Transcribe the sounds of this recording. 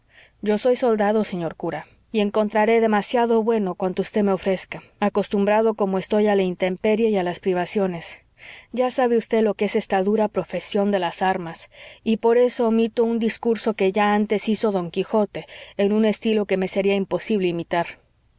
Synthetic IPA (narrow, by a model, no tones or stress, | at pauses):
ɟ͡ʝo̞so̞jso̞ld̪aðo̞se̞ɲo̞ɾkuɾa | ie̞ŋko̞nt̪ɾaɾe̞ðe̞masjaðo̞βwe̞no̞kwant̪oust̪eme̞o̞fɾe̞skaako̞st̪umbɾaðo̞ko̞mo̞e̞st̪o̞jalaint̪e̞mpe̞ɾjajalaspɾiβ̞asjo̞ne̞s | ɟ͡ʝasaβe̞ust̪e̞ðlo̞keese̞st̪aðuɾapɾo̞fe̞sjo̞nd̪e̞lasaɾmasipo̞ɾe̞so̞mit̪o̞und̪iskuɾso̞ke̞ʝaant̪e̞siso̞ðo̞ŋkixo̞t̪e̞ːnũne̞st̪ilo̞ke̞me̞se̞ɾiaimpo̞siβle̞imit̪aɾ